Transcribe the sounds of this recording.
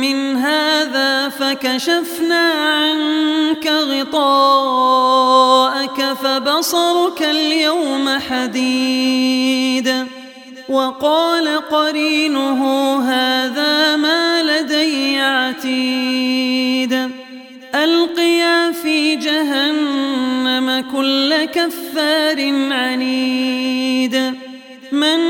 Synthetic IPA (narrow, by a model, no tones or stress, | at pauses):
mɪnɦaːðaːfakaʃafnaːʕankaɣɪt̪ˤɑː | ʔakafabɑsˤɑɾˤʊkaljawmaħad̪iː | d̪ | wɑqɑːlaqɑɾiːnʊɦʊɦaːðaːmaːlad̪ajːʕat̪iː | d̪ | ʔalqɨjaːfiːd͡ʒaɦanːamakʊlːakafːaːɾɪnʕaniː | d̪ | mɪn